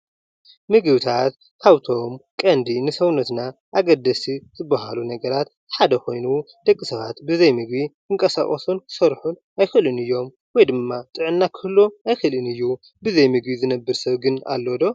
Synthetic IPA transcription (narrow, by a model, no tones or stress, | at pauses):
mɨɡɨβt̪ʰat̪ | kʰaβt̪ʰo̞mkʼɐnd̪inɨsɐwnɐt̪na | ʔaɡɐd̪ɐsizʰɨbːaɦalunɐɡɐɾat̪ | ħad̪ɐkʰo̞jnu | d̪̥ɐkʼːisɐβat̪bɨzɐjmɨɡbi | ɨŋkʼɐsa̰χʼɐsunkʰɨ̥sɐɾħun | ajxɨlɨnɨjːo̞m | wɔjd̪ɨmːat̪ʼɨʕɨnːakʰɨlːoajxɨlɨnɨjːu | bɨzɐjmɨɡbizɨnɐbːɨɾsɐβɡɨna̰lːod̪o̞